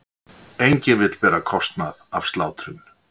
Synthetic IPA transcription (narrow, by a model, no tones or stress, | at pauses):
ejɲcɪnvɪt̪l̥pɛːɾakʰɔst̪naðav̥st̪laːwt̪ɾʏn